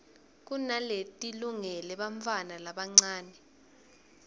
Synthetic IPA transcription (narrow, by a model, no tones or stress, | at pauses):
k̬unaletʼiluŋɛlɛɓaɱfʰanalaɓaŋ͡ǀaːnɛ